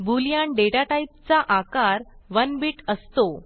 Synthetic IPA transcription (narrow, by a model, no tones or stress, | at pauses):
buljaɳɖeʈaʈaip̚t͡saʔakaɾʋənbiːʈəst̪o